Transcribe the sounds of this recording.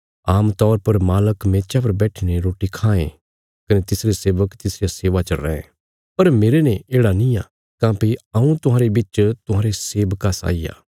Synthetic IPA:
aːmt̪ɔːɾpɐɾmaːləkmeːt͡ʃap̬ɐɾbɛːʈʰineɾoːʈikʰãːḛ̃ | kɐnet̪ɪsɾeseːʋəkt̪ɪsɾijaseːʋat͡ʃɐɾɛ̃ẽ | pɐɾmeːɾenẽʔeːɽanĩja̰ | kãːpiɐũt̪ʊɦãːɾebɪt͡ʃt̪ʊɦãːɾeseːʋəkasa̰ːiːja̰ː

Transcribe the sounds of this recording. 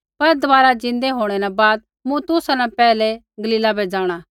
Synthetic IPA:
pɐɾd̪ɐʋaːɾad͡ʒɪ̃nd̪eɦoːɽ̃ɛɾabaːd̪̚ | mũt̪ʊsanɛ̃pɛːlɛ | ɡɐliːlabed͡ʒaːɽ̃a

